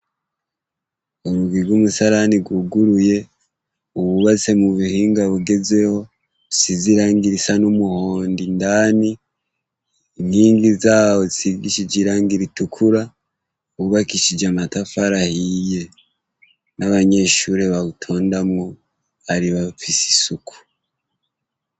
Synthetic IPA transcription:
oɾuɡiɡwumusaɾaniɡwuɡuɾuje̞ | uβuβat͡se̞muβihiːŋɡaβuɡe̞ze̞ho̞ | siziɾaːŋɡiɾisanumuho̞ːndindaːni | inhiːŋɡizaːwo̞ziiɡiʃid͡ʒiɾaːŋɡiɾitukʰuɾa | uβuβakiʃid͡ʒamatafaɾahije̞ | naβaɲe̞ːʃuɾe̞βaβutʰo̞ːndamŋo | aɾiβafisi̥sukʰu̥

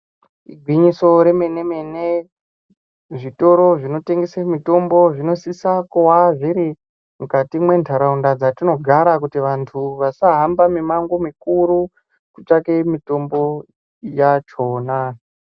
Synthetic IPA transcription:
iɡʱwiɲiso̞ɾe̞mene̞me̞ne | ʐito̞ɾo̞ʐino̞te̞ŋɡesemito̞mbo̞ʐino̞sisakowaʐiɾi | mukatimwe̞ntʰaɾaundad͡zatino̞ɡʱaɾakutiʋantʰuʋasaɦambamimaŋɡomikuɾu | kut͡ʃake̞mito̞mbo̞ | jat͡ʃo̞ːna

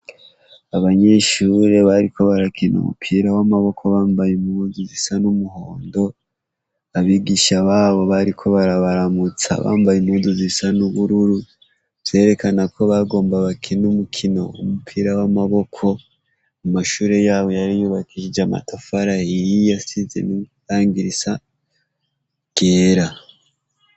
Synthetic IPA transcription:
aβaɲe̞ʃuːɾe̞βaɾiko̞βaɾakinʔṵmṵpʰiːɾawamaβo̞kʰo̞βaːmbajumuzuzisanumuɦo̞ːndo̞ | aβiɡiʃaβaːβo̞βaɾikʰo̞βaɾaβaɾamut͡sa̰βa̰ːmbajimuduzisanuβuɾuɾu | β̥z̥e̞ːɾe̞kanakʰo̞βaɡo̞ːmbaβakʰinumukʰino̞umupʰiːɾawamaβo̞kʰo̞ | amaʃuːɾe̞jaːβo̞jaɾijuβakʰiʃid͡ʒama̰tafaɾahijijasize̞̰niɾaːŋɡiɾisa | ɡ̥eːɾa

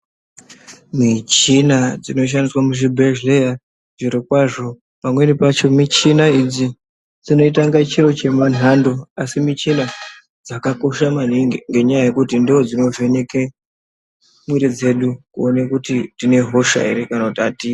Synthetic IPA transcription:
mit͡ʃinad͡zino̞ʃ̬andiswamuʐibʱeʒleja | ʐiɾikwaʐo̞ | pamwe̞nipat͡ʃo̞mit͡ʃinaid͡zi | d͡zino̞it̬aŋɡat͡ʃiɾo̞t͡ʃe̞man̤ando̞asimit͡ʃina | d͡zakako̞ʃaman̤iŋɡe̞ɲajaje̞kutindood͡zino̞ve̞ne̞ke | mwiɾid͡ze̞ɗukuonekutitine̞ɦo̞ʃa̰ḭɾekanakutiati

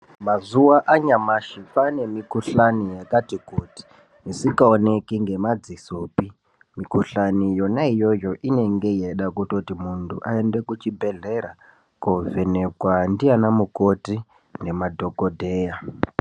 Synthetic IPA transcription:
mazuwaʔaɲamaʃipane̞mikuɬanijakatikuti̥ | misikaone̞kiŋɡe̞mad͡zisoːpi | mikuɬanijo̞naijo̞jo̞ʔine̞ŋɡe̞je̞ɗakutotimuntʰṵʔae̞nde̞kut͡ʃibʱe̞ɮe̞ɾa | kovene̞kwandianamuko̞ti | ne̞madʱo̞kodʱeːja

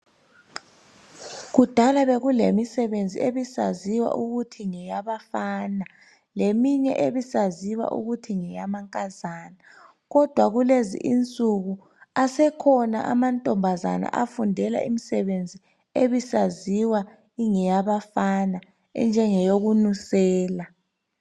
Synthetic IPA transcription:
ɣud̥ʱalaβeɣulemisɛβend͡zʱḭeβisa̰ziwa̰ʔuɣutʰiŋɛjaβafaːna | lemiɲɛ̰ʔeβisaziwa̰ʔṵɣutʰiŋɛjamaŋkʼazaːna | ɣɔd̥ʱwaɣulezḭʔint͡sʼuɣu | asɛkʰɔna̰ʔa̰mantʼɔmbʱaza̰na̰ʔafundʱɛla̰ʔimisɛβend͡zʱi | eβisaziwa | iŋɛjaβafana | ɛ̰nd͡ʒʱɛŋɛjoɣunusɛːla

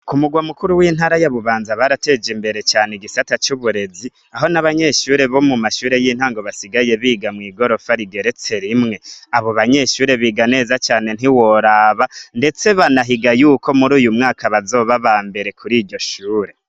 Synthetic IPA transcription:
kumuɡwamukuɾuwiːn̥haːɾajaβuβaːnzaβaɾate̞ːd͡ʒimbe̞ɾe̞t͡ʃaːneɡisatat͡ʃuβuɾe̞zi | aɦo̞naβaɲe̞ːʃuːɾe̞βo̞mumaʃuːɾe̞jin̥haːŋɡo̞βasiɡaje̞βiːɡamŋiːɡo̞ɾo̞faɾiɡe̞ɾe̞t͡se̞ɾimŋe̞aβo̞βaɲe̞ːʃuːɾeβiɡane̞ːzat͡ʃaːne̞n̥iwo̞ɾaβande̞t͡se̞βanaɦiɡajuːko̞muɾuːjumŋaːkʰaβazo̞ːβaβaːmbe̞ɾe̞kʰuɾiːɾɟo̞ʃuːɾe̞

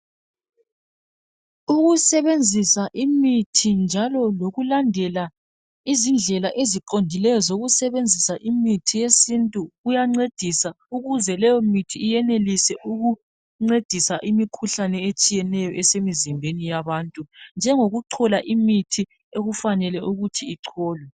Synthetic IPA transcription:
uɣusɛβend͡zʱisaʔimitʰind͡ʒʱalɔloɣulandʱɛla | izind͡ɮʱɛlaʔeziǃondʱilɛjɔzoɣusɛβend͡zʱisaʔimitʰijesintʼuɣujaŋ͡ǀed̥ʱisa | uɣuzɛlɛjɔmitʰiːjɛnelisɛʔuɣu | ŋ͡ǀed̥ʱisaʔimikʰuɬanɛet͡ʃʼijɛnɛjɔʔɛsemizimbʱenijaβaːntʼund͡ʒʱɛŋoɣuǁʰɔlaʔimitʰi | eɣufanɛlɛʔuɣutʰiːǁʰɔːlwɛ

